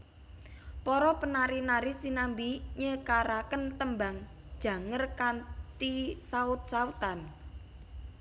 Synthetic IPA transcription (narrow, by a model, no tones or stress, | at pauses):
pɔɾɔpənaɾinaɾisinambiɲəkaɾakənt̪əmbaŋ | d̥ʒ̥ä̤ŋərkant̪isaʊt̪̚saut̪an